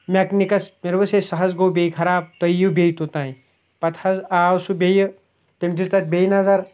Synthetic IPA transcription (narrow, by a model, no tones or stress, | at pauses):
mʲɐknikɐsmeɾbɐsesɐɦɐzɡowbejkʰɐɾaːb̚t̪ɐjjubʲejt̪ut̪aːĩ | pɐt̪ʰɐzaːwsubʲejə | t̪emt̪ʰist̪ɐt̪̚bʲejnɐzɐɾ